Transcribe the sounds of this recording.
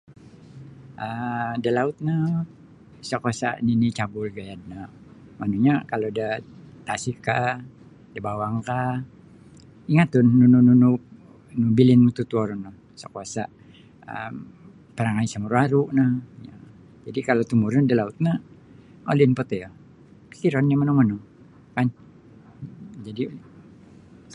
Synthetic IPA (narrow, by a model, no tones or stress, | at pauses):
ʔədalaut̪̚na | sakuasa̰ʔninit͡ʃabʊlɡajad̪̚na | manuɲakalodat̪asikːa | dabawaŋka | iŋat̪ːunːunununu | nubilɪnmut̪ut̪uɔɾɔna | sakuasa | ə̰m | pəɾaŋaisamuɾuaɾuʔnaja̰ | d͡ʒadikalot̪umuɾadalaut̪̚na | o̰linpət̪ɛja | pi̥kiɾɔnamənɔŋmənɔŋ | kan | d͡ʒadi